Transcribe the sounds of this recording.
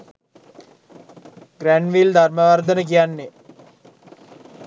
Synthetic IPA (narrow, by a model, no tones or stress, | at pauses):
ɡɾæɳɖʋild̪ʱarməʋard̪ənək̬ijanːe